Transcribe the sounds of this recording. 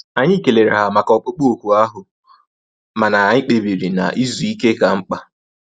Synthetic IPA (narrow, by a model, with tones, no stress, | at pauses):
a˨ɲɪ˦˨ke˨le˨ɾe˨ɦa˨ma˨kɔ˨k͡pʊ˦k͡po˦o˨ku˨a˦ɦʊ˨ | ma˨na˨a˨ɲɪ˦k͡pe˨bi˨ɾi˨na̰˨ʔi˦zu˨i˦ke˦ka˨ŋ͡m̩˦k͡pa˨